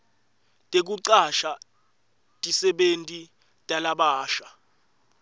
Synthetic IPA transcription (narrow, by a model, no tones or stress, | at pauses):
tʼek̬uǀaʃa | tʼisɛɓentʼi | tʼalaɓaːʃa